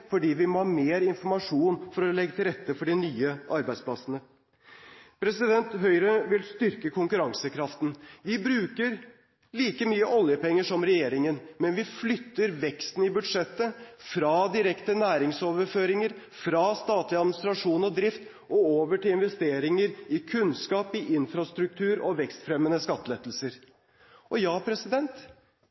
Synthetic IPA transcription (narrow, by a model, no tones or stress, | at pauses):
fɔɖiːʋɪmɔhɑːmeːɾɪnfɔɾmɑʂuːnfɔɾɔlɛɡːət̪ʰɪlɾɛt̪ːəfɔɖɪnyːəʔɑɾbæɪspʰlɑsnə | pʰɾɛsɪd̪ɛnt̪ɦœʏɾəʋɪlst̪ʏɾkəkʰʊŋkʉɾɑŋsəkʰɾɑft̪n̩ʋɪbɾʉːkəɾ | liːkəmyːəʔɔljəpɛŋːəʂɔmɾɛjeːɾɪŋənmɛnʋɪflʏt̪ːəɾʋɛkst̪n̩ɪbʉd̪ʂɛt̪ːəfɾɑːd̪ɪɾɛkt̪ənæːɾɪŋsoːʋəɾføːɾɪŋəɾ | fɾɑːst̪ɑːt̪lɪɑd̪mɪnɪst̪ɾɑʂuːnɔd̪ɾɪft̪ | ʔɔoːʋəʈɪlɪnʋɛst̪eːɾɪŋəɾɪkʰʉnskɑːpɪʔɪnfɾɑst̪ɾʉk̚t̪ʰʉːɾɔʋɛkst̪fɾɛmːənəskɑt̪ːəlɛt̪lsəɾ | ʔɔjɑːpʰɾɛsɪd̪ɛnt̪